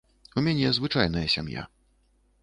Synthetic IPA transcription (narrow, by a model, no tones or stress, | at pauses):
umʲanʲɛzvɨt͡ʂajnɐjɐsʲa̰mja̰